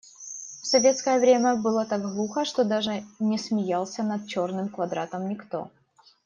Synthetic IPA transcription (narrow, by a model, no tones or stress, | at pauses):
fsɐvʲe̞t̪skəjəvɾʲemʲəbɨlˠət̪aɡɣlˠuxəʂt̪od̪aʐɨnʲɪsmʲɪjalˠsʲənɐt̪̚t͡ɕo̞rnɨmkvɐd̪ɾa̰t̪əmnʲɪkt̪o̞̰